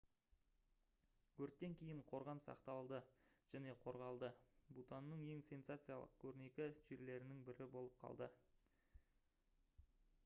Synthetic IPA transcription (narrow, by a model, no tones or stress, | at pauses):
kʲʰɵɾt̪ːe̞ŋkʲʰe̞jɪɴqʰo̞ɾʁɑnsɑ̰qt̪ɑlˠd̪əʒ̥æne̞qʰo̞ɾʁɑlˠd̪əbut̪ɑnːəɴje̞ŋse̞nsat̪sɨjɑlˠə̰q̚kʲʰɵɾne̞kʲɪʒeɾle̞ɾɪnɪŋbɪɾɪbo̞lˠəp̚qʰɑ̰lˠd̪ə